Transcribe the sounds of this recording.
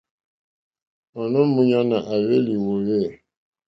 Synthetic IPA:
ɔ˨nɔ˦mu˦ɲa˦na˨ʔa˨ɣe˦li˨wo˨ɣe˦˨

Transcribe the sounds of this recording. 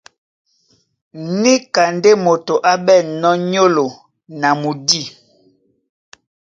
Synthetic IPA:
ni˦ka˨nde˦mo˨to˨ʔa˦bɛ˦˨nɔ˦ɲo˦lo˨ | na˨mu˨di˦˨

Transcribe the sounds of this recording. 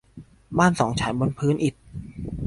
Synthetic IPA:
baː˥˩nsɔː˩˦ŋt͡ɕʰaː˩˦jbo˧npʰɯː˦˥nʔi˨˩t̪̚

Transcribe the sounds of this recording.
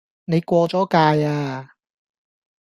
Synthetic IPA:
ne˨˧jkʷɔː˧t͡sɔː˨˥kaː˧jaː˧

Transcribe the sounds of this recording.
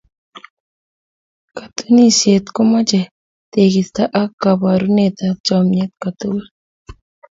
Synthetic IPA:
ka˨t̪u˦ni˦˨sje˨t̪ko˦ma˦t͡ʃɛ˨ | t̪e˨ki˨st̪a˦ʔa˦kːa˨ba˨ɾu˦ne˨t̪a˦t͡ʃɔ˨mɲe˦t̪ka˨tu˦wa˦

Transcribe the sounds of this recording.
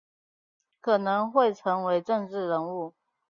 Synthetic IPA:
kʰɤ˨˩nɤ˧˥ŋxwe˥˩ɪʈ͡ʂʰɤ˧˥ŋwe˧˥ɪʈ͡ʂɤ˥˧ŋʈ͡ʂɻ̩˥˩ɻə˧˥ŋu˥˩

